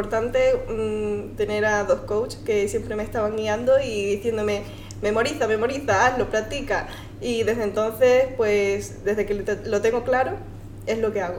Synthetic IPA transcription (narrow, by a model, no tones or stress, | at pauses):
poɾt̪ant̪e̞ | t̪e̞ne̞ɾaðo̞skowt͡ʃke̞sje̞mpɾe̞mest̪aβaŋɡiãnd̪o̞iðiθje̞nd̪o̞me̞ | mẽ̞mo̞ɾiθamẽ̞mo̞ɾiθaalopɾat̪ika | iðe̞zðe̞nt̪o̞n̟θe̞spwe̞sd̪e̞zðekello̞t̪e̞ŋɡo̞klaɾo̞ | e̞zlo̞ke̞aɣo